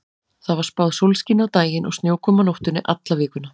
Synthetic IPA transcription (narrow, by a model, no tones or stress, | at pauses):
θaðvaɾ̥spawðsowlscinawt̪aːjɪnʔɔ̰ɣst̪joːwkʰɔːmanowht̪ʏnɪʔat̪lavɪːkʏnːa